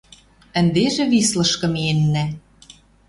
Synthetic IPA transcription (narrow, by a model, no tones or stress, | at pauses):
ə̆nd̪eʒĕβislɤ̆ʃkɤ̆menːæ